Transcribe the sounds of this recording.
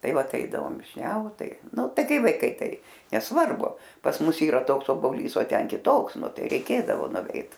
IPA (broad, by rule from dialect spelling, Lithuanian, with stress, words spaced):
ˈtɐɪ ˈʋɐt ˈɛɪdɐʋoːm ʋʲɪʃʲˈnʲɛʊt ˈtɐɪ ˈnʊ ˈtɐɪ ˈkɐɪ ʋɐɪˈkɐɪ ˈtɐɪ nʲɛsˈʋɐrbʊ pɐs ˈmʊs ˈiːrɐ ˈtoːks oːboːˈlʲiːs oː ˈtʲɛn kʲɪˈtoːks ˈnʊ ˈtɐɪ rʲɛɪˈkʲeːdɐʋoː nʊˈʋʲɛɪt